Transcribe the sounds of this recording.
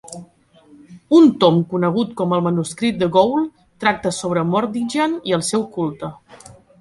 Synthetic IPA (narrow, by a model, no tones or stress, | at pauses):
unt̪omkunəɣ̞ut̪kɔməlˠmənuskɾit̪̚d̪əɣowlˠ | t̪ɾak̚t̪əsoβ̞ɾəmɔɾd̪iʒaniəlˠsɛwkulˠt̪ə